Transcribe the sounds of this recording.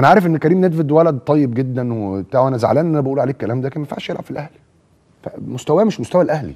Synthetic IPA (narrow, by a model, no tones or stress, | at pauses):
ʔænæʕaːɾefʔenːkæɾiːmned̪ved̪wælæd̪̚t̪ˤːɑjːeb̚ɡed̪ːænwet̪æʕuʔænæzaʕa̰læːnʔnʔænæbæʔuːlʕaleːkːælæːmd̪æːkemæfaʕʃjelʕab̥filʔæhl | fæ̰most̪æwæmeʃmost̪æwælʔæhlḭ